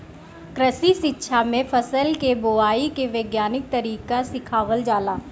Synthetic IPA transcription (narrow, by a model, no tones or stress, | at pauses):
kɾəsisɪtːʃʰamẽpʰəsəlkeboaːikeʋeːɡjaːnɪk̚t̪əɾiːkasɪkʰaːʋəld͡ʒaːlaː